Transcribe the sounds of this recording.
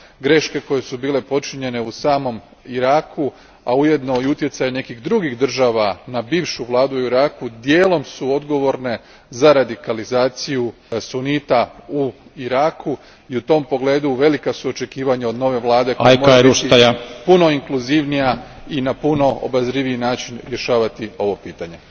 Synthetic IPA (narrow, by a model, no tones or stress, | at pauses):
ɡɾe̞ʃke̞ko̞je̞subiːle̞po̞t͡ʃiɲe̞ne̞usaːmo̞m | iɾaːkʰu | auje̞d̪noiut̪jet̪sajene̞kiɣd̪ɾuɡiɣd̪r̩ʒaʋanabiːʋʃuʋlˠaːd̪uiɾaːkud̪je̞ːlo̞msuo̞d̪ɡo̞ʋo̞ɾne̞ | zaɾad̪ikalizaːt̪siju | sunit̪auiɾaːku | iut̪o̞ːmpo̞ɡle̞ːd̪uʋe̞likasuo̞t͡ʃe̞kiːʋaɲao̞d̪no̞ʋe̞ʋlˠaːd̪ekoajmoaebuʃiajapuno̞iŋkluziʋnija | inapuno̞o̰bazɾiʋiinaːt͡ʃinɾje̞ʃaːʋat̪io̞ʋo̞piːt̪aɲe̞